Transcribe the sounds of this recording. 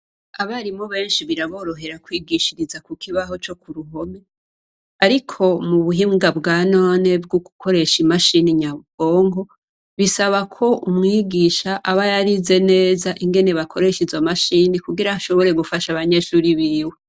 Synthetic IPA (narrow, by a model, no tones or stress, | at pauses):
aβaɾimo̞βe̞ːnʃiβiɾaβo̞ːɾo̞ɦe̞ɾakwiːɡiʃiɾizakukʰiβaɦo̞t͡ʃo̞kuɾuɦo̞me | aɾikʰo̞muβuɦiːŋɡabɡaːnoːne̞bɡuɡukʰo̞ɾe̞ʃimaʃiniɲaβuɡ̥o̞ːŋɡo̞ | βisaβakʰo̞ʔumŋiːɡiʃaʔaβajaɾize̞ne̞ːzaʔiŋɡe̞ne̞βakʰo̞ɾe̞ʃizamaʃiːnikuɡiɾaaʃo̞βo̞ɾe̞ɡufaʃaβaɲe̞ʃuːɾiβiːwe